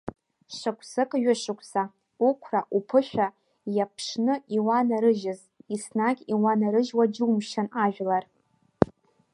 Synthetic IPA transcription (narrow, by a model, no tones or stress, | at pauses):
ʂʷakʷʰsɨkʼɥᶣɪʂɨkʷʰsa | ukʷʰraʔupʰɨʃᶣa | japʰʂnɨiwanaɾɨʒɪz | isnaɡʲiwanaɾɨʒwad͡ʒɪumʃanaʒᶣlar